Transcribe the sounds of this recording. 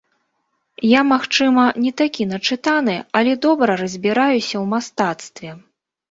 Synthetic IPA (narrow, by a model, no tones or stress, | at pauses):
jamaxt͡ʂɨmɐnʲɛt̪akʲinɐt͡ʂɨt̪an̪ɨɐlʲɛd̪ɔbɾɐɾɐzʲbʲiɾajusʲɐwmast̪at̪st̪vʲɛ